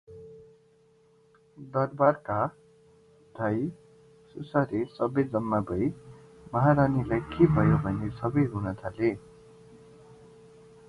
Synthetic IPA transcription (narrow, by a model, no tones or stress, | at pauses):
d̪ʌrbarka | d̪̥ʱʌj | susaɾesʌbʌjd͡zʌmːabʱʌj | mʌɦaɾanilajkebʱʌjobʱʌnesʌbʌjɦunʌt̪ʰale